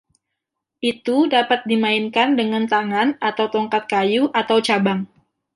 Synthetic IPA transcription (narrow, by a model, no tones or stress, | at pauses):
ʔit̪udapat̪̚dimaɪnkandəŋant̪aŋanat̪awt̪ɔŋkat̪̚kajuʔat̪awt͡ʃabaŋ